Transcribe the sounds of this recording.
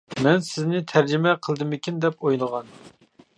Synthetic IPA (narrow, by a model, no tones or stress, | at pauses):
mɛnsɪznɪt̪ʰæɾd͡ʒɪmɛqʰəlˠd̪ɨmɪkʲind̪ɛpojlˠəʁɑn